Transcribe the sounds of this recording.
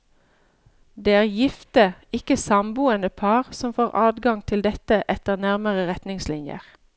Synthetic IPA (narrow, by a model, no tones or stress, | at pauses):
d̪eːæːʁjɪft̪əɪkəsɑmbuːənəpʰɑːʁsɔmfoːʁʔɑːd̪ɡɑŋt̪ʰɪld̪ɛt̪əʔɛt̪əʁnæʁməʁəʁɛt̪nɪŋslɪnjə̰ʁ